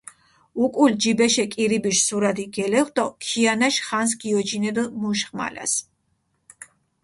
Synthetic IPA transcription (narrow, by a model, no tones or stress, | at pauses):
ukʼuld͡ʒibɛʃɛkʼiɾibiʃsuɾad̪iɡɛlɛχd̪ɔkʰianaʃχans̬ɡiɔd͡ʒinɛd̪muʃχma̰la̰s